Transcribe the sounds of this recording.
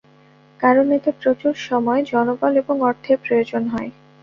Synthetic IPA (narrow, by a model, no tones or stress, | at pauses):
kaɾonet̪epɾot͡ɕuɾʃɔmɔed͡ʑɔnobɔleboŋɔɾt̪ʰepɾojod͡ʑonɦɔe